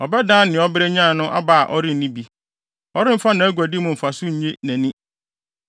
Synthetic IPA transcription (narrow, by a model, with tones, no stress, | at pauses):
ɔ˨bɛ˦dã˦nɪ̃˨ɔ˦bɪ˦ɾɛ˦ɲã˦˨nʊ̃˦ʔa̰˦ba˨a˨ʔɔ˦ɾɪ̃˦n̩˨nĩ˦bi˦ | ɔ˦ɾɪ̃˦m̩˦fa˦nã˨æ˦ɡʷæ˨dɪ˦mʊ̃˨m̩˨fa˨sʊ˦ɲ̩˨ɲẽ˦næ̃˨nĩ˦